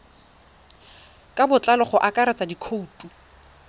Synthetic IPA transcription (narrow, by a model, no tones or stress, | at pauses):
kʼabʊt͡ɬalɔχɔʔakʼaɾat͡sadikʰoutʼu